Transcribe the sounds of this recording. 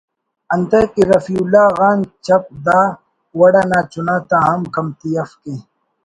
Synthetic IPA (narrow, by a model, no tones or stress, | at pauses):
ɐnt̪ekeɾɐfiːulːaːɣaːnt͡ʃɐp̚d̪aː | wɐɽaːnaːt͡ʃʊnaːt̪ãːɦɐmkɐmt̪iɐfkẽː